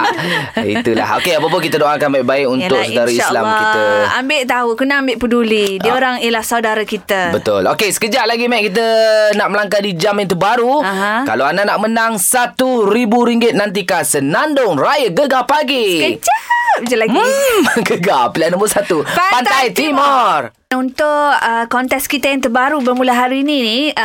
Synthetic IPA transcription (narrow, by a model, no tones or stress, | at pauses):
ḭt̪ula̰ho̰keapapʊnkit̪ədoʔakanbaɪʔ̚baɪkunt̪ʊksədaɾaisla̰mkit̪əambɪʔt̪aɦukunaambɪʔpədulidiəoɾaŋijəlahsawdaɾakit̪əbət̪ʊlokesə̥kəd͡ʒaʔ̚laɡimajʔ̚kit̪̬ənaʔməlaŋkadid͡ʒamɪ̃nt̪ubaɾuɦkalaananaʔmənaŋsat̪uɾibuɾiŋɡɪt̪̚nant̪̬ikasənandʊŋrajəɡəɡapaɡikəd͡ʒapd͡ʒalaɡiɡəɡapilianəmbʊsat̪upapant̪t̪ajt̪imɔr | unt̪ʊʔəkɔnt̪ɛskit̪ajaŋt̪əbaɾubəmulaɦaɾiːnini